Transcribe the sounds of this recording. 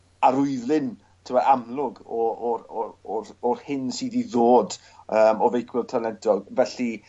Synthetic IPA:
aɾʊɨðlˠɪn | tʰɪmaamlˠʊɡɔɔrɔɔrɔrhɪnsiːðiðoːd | əːmɔvejkʰwɪlˠtʰanɛdɔɡvɛɬi

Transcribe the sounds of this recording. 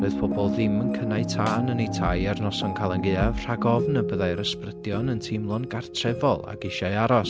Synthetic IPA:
roɨð̥pʰɔbɔlˠðɪmənkʰənaɨtʰaːnənejtʰajɛrnɔsɔnkʰalˠənɡɨav̥r̥aɡɔvnəbəðajɾəsprədjɔnəntʰɪmlˠɔnɡartʰrɛvɔlˠa̰ɡ̥ɪʃajaɾɔs

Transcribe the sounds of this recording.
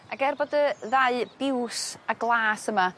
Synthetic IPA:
aɡɛrbɔdəðaɨb̥ɪwsaɡlˠaːsəma

